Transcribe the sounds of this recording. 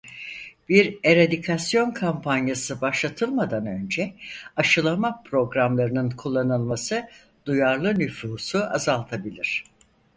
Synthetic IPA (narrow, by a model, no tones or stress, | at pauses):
biɾe̞ɾad̪ikʰasjo̞nkʰampʰanjasɯbaʃlˠat̪ʰɯlˠmad̪anø̞nd͡ʒɛaʃɯlˠamapʰɾo̞ɡɾamlˠaɾɯnɯnkʰulˠːanɯlˠmasɯ | d̪̥ujaɾlˠɯnyfuːsuazalˠt̪ʰabilʲiɾ̝̥